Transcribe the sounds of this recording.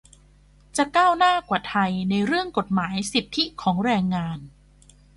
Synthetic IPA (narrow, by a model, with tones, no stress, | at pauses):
t͡ɕa˨˩ʔkaː˥˩wnaː˥˩kwaː˨˩t̪ʰa˧jna˧jɾɯ˥˩əŋko˨˩t̪̚maː˩˦jsi˨˩p̚t̪ʰːi˦˥kʰɔː˩˦ŋɾɛː˧ŋːaː˧n